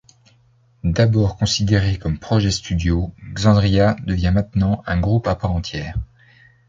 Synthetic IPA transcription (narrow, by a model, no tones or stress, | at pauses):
d̪abɔːʁkɔ̃sid̪eʁekɔmpχɔʒɛst̪yd̪joɡzɑ̃d̪ʁijad̪əvjɛ̃mɛ̃t̪nɑ̃ɛ̃ɡʁupapaʁɑ̃t̪jɛːʁ